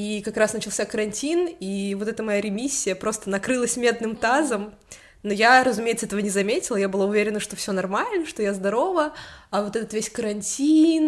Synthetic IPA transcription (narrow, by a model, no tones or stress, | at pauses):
ikɐkɾasnət͡ɕɪlˠsʲakəɾɐnʲtʲinivo̞t̪ɛt̪əmɐjaɾʲɪmʲisʲːɪjəpɾo̞st̪ənɐkɾɨlˠəsʲmʲe̞d̪nɨmt̪azəm | nojaɾəzʊmʲejɪt̪səɛt̪əvənʲɪzɐmʲetʲɪlˠəjabɨlˠaʊvʲeɾʲɪnəʂt̪o̞fsʲonɐrmalʲnəʂt̪o̞jazd̪ɐɾo̞vəɐvot̪ɛt̪ət̪vʲesʲkəɾɐnʲtʲin